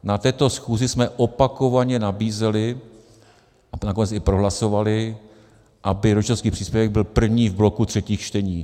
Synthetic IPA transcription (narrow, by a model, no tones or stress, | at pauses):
nat̪ɛːt̪o̞sxuːzɪsmɛʔopako̞vaɲɛnabiːzɛlɪ | anako̞nɛt͡sɪpɾoɦlaso̞valɪ | ʔabɪɾot͡ʃoskiːpr̝iːspjɛvɛɡ̚bɪlpr̩vɲiːvblo̞kut̪r̝̥ɛciːxt͡ʃt̪ɛɲiː